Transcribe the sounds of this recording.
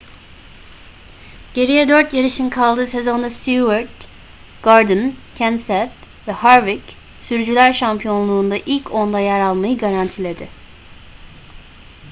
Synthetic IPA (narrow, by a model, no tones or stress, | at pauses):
ɟ̥e̞ɾijɛd̪ø̞ɾt̪jaɾiʃinkʰalˠd̪ɯːse̞zo̞nd̪ast̪ʰjuvaɾd̪ | ɡ̥aɾd̪ɯncʰænsɛt̪ | vɛhaɾvic | syɾd͡ʒylʲæɾʃampʰijo̞nlˠuːnd̪aʔilʲcʰo̞nd̪ajæɾalˠmajɯɡaɾant̪ʰilʲe̞d̪ɪ